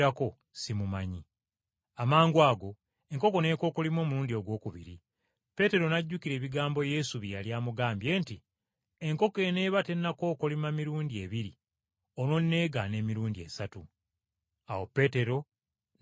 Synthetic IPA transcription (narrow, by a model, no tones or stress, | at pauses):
ako̞ | simumaɲi | amaːŋɡwaːɡo̞ | e̞ŋko̞ko̞ne̞ko̞ːkolimo̞ːmuɾuːndio̞ɡwo̞ːkuβḭɾḭ | pe̞te̞ɾo̞naɟːukiɾe̞ːβiɡaːmbo̞je̞suβijaljaːmuɡaːmbje̞ːnti | e̞ŋko̞ke̞ne̞ːβate̞nːako̞ːkolimamiɾuːndie̞βiɾi | ono̞nːe̞ːɡane̞ːmiɾuːndie̞̰satu | awo̞pe̞ːte̞ɾo̞